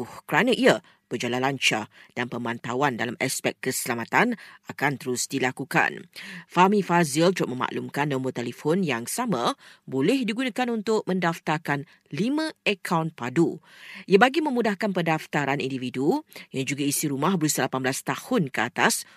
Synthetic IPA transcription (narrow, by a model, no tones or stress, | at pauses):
ʊhkəɾanə̃ʔia | b̥əd͡ʒalalaɲt͡ʃa̰d̥anpəmãnt̪awanda̰lamɛspɛ̰k̚ːəsəlamat̪anakant̪əɾʊsdilakuka̰nfamĩfazilt̪əɾʊʔ̚mə̃ma̰ʔlumkanːõmɔrt̪ɛlifɔnjaŋsamãbolɪhdiɡunãkanunt̪ʊʔ̚mə̃ndaft̪arkan | limãəkʰawnpaduʔiəbaɡimə̃mudahkanpədaft̪aɾanindividujaŋd͡ʒuɡaisiɾumahbəɾusəlapanbəlast̪ahʊnkəa̰t̪as